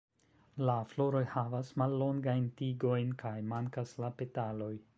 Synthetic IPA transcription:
laflo̞ɾo̞jhavasmalːo̞ŋɡajntiɡo̞jnkʰajmaŋkaslape̞talo̞j

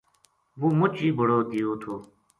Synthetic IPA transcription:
ʋuːmʊt͡ʃiːbʱəɽoːɡɪjoːt̪ʰoː

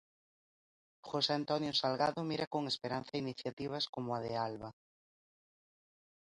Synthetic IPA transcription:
xoseant̪ɔnjosalɣaðomiɾakoŋespeɾan̟θainiθjat̪iβ̞askomoaðealβa

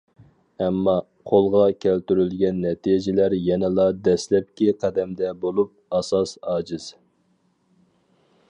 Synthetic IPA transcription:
ɛmːɑ | qʰolˠʁɑkʲʰælt̪yɾylɡʲɛnːɛt̪ʰid͡ʒɪlæɾjɛnɪlˠɑd̪ɛslɛp̚kʲiqʰæd̪ɛmd̪ɛbolˠup̚ɑsɑsɑːd͡ʒiz̥

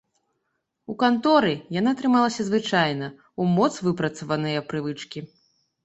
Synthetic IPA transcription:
ukant̪ɔɾɨjanat̪ɾɨmalˠɐsʲɐzvɨt͡ʂajnɐ | umɔt̪svɨpɾɐt̪sɐvɐnɨjɐpɾɨvɨt͡ʂkʲi

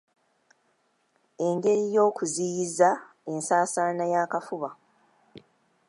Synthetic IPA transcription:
e̞ŋɡe̞ɾijo̞ːkuzijiza | e̞nsaːsaːnajaːkafuβa

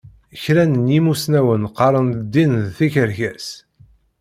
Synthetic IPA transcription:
çɾænənjimusnæwənqɑɾˤənd̪ːinðθiçəɾçæs

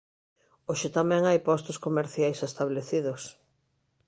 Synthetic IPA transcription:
oʃɪt̪amɛ̃ŋajpɔst̪oskomeɾθjajsest̪aβleθiðos

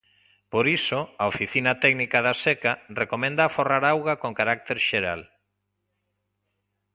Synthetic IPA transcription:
poɾisoaofiθinat̪ɛɡnikaðasɛkarekomẽnd̪aːforaɾawɣakoŋkaɾak̚t̪eɾʃeɾa̰l

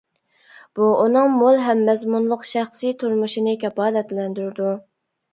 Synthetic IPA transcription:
b̥uunɨŋmolˠɦɛmːɛzmunlˠʊqʃæχsijt̪ʰuɾmuʃinɨkʲɛbɑːlɛt̪lɛnd̪yɾɪd̪u

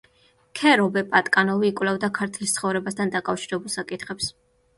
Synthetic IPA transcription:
kʰɛɾɔbɛpʼat̪ʼkʼanɔviːkʼwlɛvd̪akʰaɾt̪ʰlist̪sʰχɔvɾɛbast̪ʰand̪akʼafʃiɾɛbulˠsakʼit̪χɛps

